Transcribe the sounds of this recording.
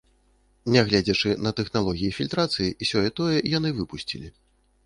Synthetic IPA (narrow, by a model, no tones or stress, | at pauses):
nʲɛɣlʲad͡zʲɛt͡ʂɨnɐt̪ɛxnalˠɔɣʲijifʲilʲt̪ɾat̪sɨjiʔisʲɔjɛt̪ɔjɛjan̪ɨvɨpusʲt͡sʲilʲi